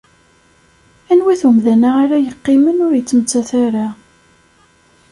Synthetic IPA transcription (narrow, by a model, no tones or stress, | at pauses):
ænwiθumðænaaɾajəqːɪmənʊɾjət͡sːmət͡sːæθaɾa